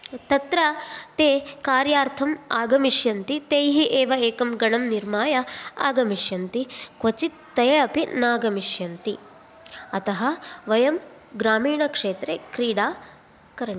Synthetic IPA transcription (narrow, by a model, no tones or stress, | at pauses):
t̪ɐt̪ɾɐt̪eːkaːɾjaːɾt̪ʰɐmaːɡɐmiʃjɐnt̪it̪eːjɦiʔeːʋɐeːkɐmɡɐɳɐmniɾmaːjɐaːɡɐmiʂjɐnt̪ikʋɐt͡ʃit̪ | t̪ːɐjɐɐpinaːɡɐmiʃjɐnt̪i | ɐt̪ɐɦɐʋɐjɐm | ɡɾaːmiːɳɐkʂeːt̪ɾekɾiːɽaː | kɐɾɐ